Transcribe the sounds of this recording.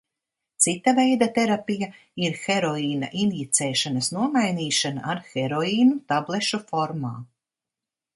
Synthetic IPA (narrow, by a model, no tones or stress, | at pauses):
t̪sit̪ːavɛjd̪at̪ɛɾapija | iɾxɛɾɔiːna̰ʔinjit̪sɛːʃanɐsnuɔmajniːʃana̰ʔaɾxɛɾɔiːnut̪ablˠɛʃufɔɾma̰ː